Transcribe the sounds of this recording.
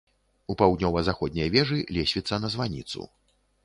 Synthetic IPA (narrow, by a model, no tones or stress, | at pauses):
upawd̪ʲnʲɔvɐzaxɔd̪ʲnʲɐjvʲɛʐɨlʲɛsʲvʲit̪sːɐnɐzvanʲḭt̪sṵ